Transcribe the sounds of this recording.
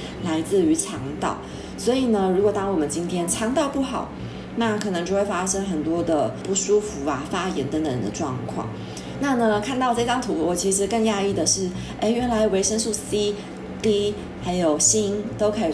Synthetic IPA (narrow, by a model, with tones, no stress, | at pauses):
la˧˥ɪt͡sɹ̩˥˩y˧˥ʈ͡ʂʰɑ˧˥ŋt̪ɑ̰˥˩ʊ | swɔ˧˥i˨˩nə˩ɻu˧˥kwɔ˨˩t̪ɑ˥ŋwɔ˨˩mə˦nt͡ɕi˥nt̪ʰjɛ˥nʈ͡ʂʰɑ˧˥ŋt̪ɑ˥˧ʊpu˥˩xɑ˨˩˦ʊ | na˥˩kʰɤ˨˩nɤ˧˥ŋt͡ɕjo˥˧xwe˥˩ɪfa˥ʂə˥ŋxə˨˩nt̪wɔ˥d̪ə˨pu˥˩ʂu˥fu˧˥a˧fa˥jɛ˧˥nt̪ə˧˥ŋd̪ə˨ɻə̰˧˦nd̪ə̰˧ʈ͡ʂwɑ̰˥˧ŋkʰwɑ̰˥˩ŋ | na˥˩nə˩kʰa˥˧nt̪ɑ˥˧ʊʈ͡ʂɤ˥˧tɑ˥ŋt̪ʰu˧˥wɔ˧˩t͡ɕʰi˧˥ʂ̬ɻ̩˧˥kə˥˧ŋja˥˧i˥˩d̪ə˩ʂɻ̩˥˩ | ʔe˥˩ɪɥɛ˧˥nla˧˥ɪ˨˩we˧˥ɪʂə˥ŋʂu˥˩si˥ | t̪i˥ | xa˧˥ɪjo˨˩ʊɕi˥nt̪o˥ʊkʰɤ˧˥i˨˩